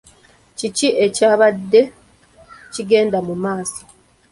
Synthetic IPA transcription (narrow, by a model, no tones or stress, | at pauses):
ciciʔe̞caːβadːe̞ | ciɡe̞ːndamumaːsi̥